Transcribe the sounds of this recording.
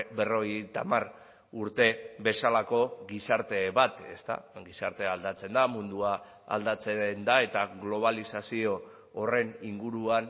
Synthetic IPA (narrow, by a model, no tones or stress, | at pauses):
be̞ro̞jet̪amar | uɾt̪e̞be̞salako̞ɡisaɾt̪e̞βat̪e̞st̪a̰ɡisaɾt̪e̞ald̪at͡se̞nd̪amund̪ua | a̰ld̪at͡send̪ae̞t̪aɣlo̞β̞alisasio̞ː | re̞niŋɡuɾuan